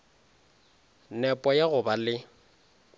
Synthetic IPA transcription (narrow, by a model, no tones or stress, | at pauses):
nɛpʼɔjaɣʊbalɪ